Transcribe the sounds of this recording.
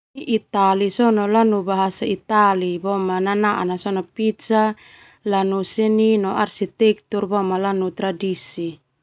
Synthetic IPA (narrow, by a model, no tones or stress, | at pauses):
ʔit̪alisɔnɔlanubaɦasait̪alibɔmananaʔa̰nasɔnɔpit̪sa | lanusininɔʔarsit̪ɛk̚t̪urbɔmalanut̪ɾadisi